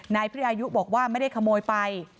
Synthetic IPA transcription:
naː˧jpʰʔaː˧ju˦˥ʔbɔː˨˩k̚waː˥˩ma˥˩jda˥˩jkʰa˧moː˧jpa˧j

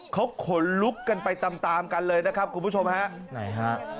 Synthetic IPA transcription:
kʰa˦˥wkʰo˨˩˦nlu˦˥kːa˧npa˧jt̪a˧mt̪aː˧mka˧nlɤː˧jna˦˥kʰp̚kʰu˧nbʰu˦˥t͡ɕʰo˧mha˦˥ʔna̰˨˩˦jɦa˦˥ʔ

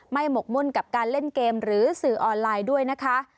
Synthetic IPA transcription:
ma˥˩jmo˨˩k̚mu˥˩nka˨˩p̚kaː˧nle˥˩nkeː˧mɾɯː˩˦sɯː˨˩ʔɔː˧nlaː˧jdu˥˩əjna˦˥kʰa˦˥ʔ

